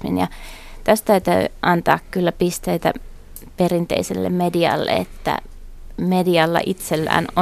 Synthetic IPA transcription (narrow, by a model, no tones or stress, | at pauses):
mḭnjɑt̪æst̪æyt̪ø̰iʔɑnt̪ɑːkkylːæpist̪eit̪æ̰ | perint̪ḛiselːḛmmediɑ̰lːḛḛt̪ːæ̰ | mediɑlːɑ̰ʔit̪selːæ̰ːno